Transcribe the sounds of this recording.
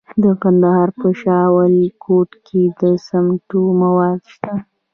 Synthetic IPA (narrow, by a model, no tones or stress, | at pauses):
d̪əkand̪ahɑɾpəʃɑwəlkʰoʈkʰed̪əsamʈumawɑd̪ʃt̪a